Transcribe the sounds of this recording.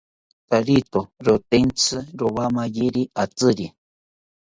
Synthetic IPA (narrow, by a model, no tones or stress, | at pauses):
t̪aɾit̪oɾot̪ent͡sɨɾoβamajiɾiat͡sɨɾi